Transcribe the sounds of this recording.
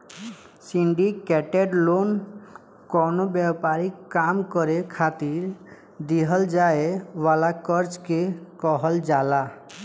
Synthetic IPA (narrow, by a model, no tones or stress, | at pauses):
siɳɖikɛʈeɖlon | kɔnobɛpaɾiamkɔɾekʰat̪iɾ | d̪iɦɔld͡ʒaeʋalakɔɾt͡ʃkekɔɦɔld͡ʒala